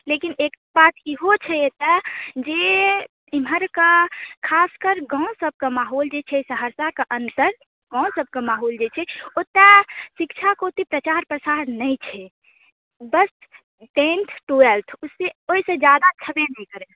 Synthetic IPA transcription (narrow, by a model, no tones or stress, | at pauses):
lekinek | bat̪iɦot͡ʃʰɛt̪əd͡ʒe | iməɾkəkʰaskəɾɡə̃ʊ̃səb̚ʱkəmaɦold͡ʒet͡ʃʰɛsəɦəɾsakəʔənt̪əɾ | ɡãʊ̃səb̚ʱkemaːɦold͡ʒet͡ʃʰɛot̪asikt͡ʃʰakot̪ipɾət͡ʃaɾpɾəsaɾnəjt͡ʃʰɛ | bəs | ʈẽnʈ̪ʰʈuəlt̪ʰusːeoisẽd͡ʒjad̪at͡ʃʰəbenəkəɾe